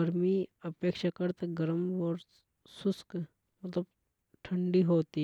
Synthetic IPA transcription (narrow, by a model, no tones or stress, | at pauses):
ɐɾmiːɐpeːkʃakɐɾt̪ɐɡɐɾəmʋɔɾ | susk | mɐt̪ləb̚ | ʈʰɐɳɖiːɦoːt̪iː